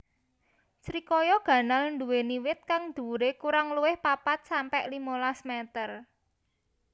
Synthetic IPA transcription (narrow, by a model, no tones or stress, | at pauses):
t͡ʃɾikɔjɔɡ̥ä̤nalɳɖṳweniwɪt̪̚kaŋd̪̥ṳɾekuɾaŋluwɪhpapat̪̚sampɛʔlimolasmɛt̪ər